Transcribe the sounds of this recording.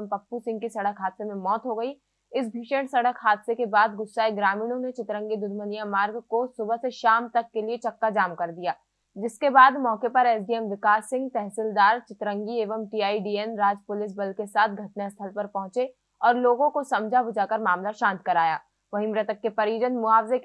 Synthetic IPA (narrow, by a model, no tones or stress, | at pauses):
mpɐpːusɪ̃ŋɡkisɐɽəkɦaːd̪semẽmɔːt̪ɦoɡɐi | ɪsbʱiːʃə̃ɳʈsɐɽəkɦaːd̪sekebaːd̪ɡʊsːaːeɡɾaːmiːnõnet͡ʃɪt̪ɾə̃ŋɡid̪ʊd̪mənijamaːɾɡkosʊbəɦseʃaːmt̪ɐkːeliet͡ʃɐkːad͡ʒaːmkɐɾd̪ijaː | d͡ʒɪskebaːd̪mɔːkepɐɾɛːsɖiɛmʋɪkaːsːɪ̃ŋɡt̪ɛɦsɪld̪aːɾt͡ʃɪt̪ɾə̃ŋɡieːʋəmʈiːaːiɖiːɛnɾaːd͡ʒpʊlɪs̬bɐlkesaːt̪ʰɡʱɐʈnast̪ʰəlpɐɾpɐ̃ɦʊ̃t͡ʃe | ɔːɾloːɡõkosɐ̃md͡ʒʱabʊd͡ʒakɐɾmaːmlaʃãːnt̪kɐɾaːja̰ː | ʋɐɦɪmɾət̪əkːepɐɾjoːd͡ʒənmʊaːfze